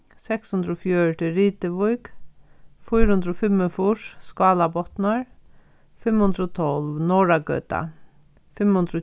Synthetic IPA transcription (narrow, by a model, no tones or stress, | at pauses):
sɛkshʉnd̪ɾɔfjœɹʈɪɾiːt̪əʋʊjk | fujɾhʊnd̪ɾɔfɪmːəfʊʂskɑːlabɔt̪nəɹ | fɪmhʉnd̪ɾɔt̪ʰɔlʋnɔːɹaɡœ̰ːt̪a̰ | fɪmhʊnd̪ɾɔ